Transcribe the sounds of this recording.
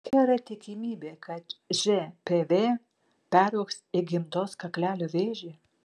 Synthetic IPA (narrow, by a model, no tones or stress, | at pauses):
ɡʲɛːɾɐt̪ʲɪkʲɪmʲiːbʲeːkʰɐt̪ʒʲepʲeʋʲeː | pʲæːɾoɔksɪɡʲɪmt̪oːskɐklʲæːlʲoːʋʲeːʒʲe